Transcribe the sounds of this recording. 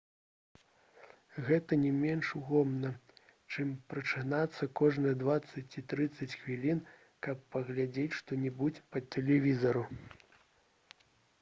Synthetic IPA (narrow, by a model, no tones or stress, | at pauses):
ɣɛt̪ɐnʲɛmʲɛnʂuɣɔmnɐ | t͡ʂɨmpɾɐt͡ʂɨnat̪sːɐkɔʐnɨjɐd̪vat̪sːɐt͡sʲit̪ɾɨt̪sːɐt͡sʲxvʲilʲin | kɐpːɐɣlʲad͡zʲet͡sʲʂt̪ɔnʲɛbud͡zʲpɐt̪ɛlʲɛvʲizɐɾu